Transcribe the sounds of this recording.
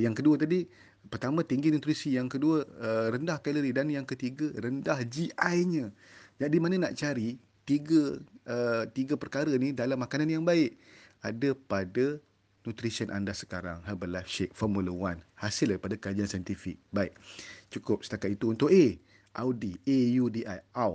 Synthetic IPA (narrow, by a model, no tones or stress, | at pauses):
jaŋkəduət̪adi | pərt̪amãt̪iŋɡinut̪ɾisijaŋkəduəəɾəndahkaləɾidanjaŋkət̪iɡəɾəndahd͡ʒiʔajɲə̃d͡ʒadimanə̃naʔt͡ʃaɾi | t̪iɡəət̪iɡəpərkaɾənidalamːakananjaŋbaɪʔadəpadə | nut̪ɾisiənʔa̰ndasə̥kaɾa̰ŋhabəlafʃek̚fɔrmuləwanhasɪlaɾipadakəɾad͡ʒiansajənt̪ifɪk̚baɪʔ̚t͡ʃukʊp̚sə̥t̪akat̪̚it̪uːnt̪ʊʔe | ʔa̰wdiejudiʔajaw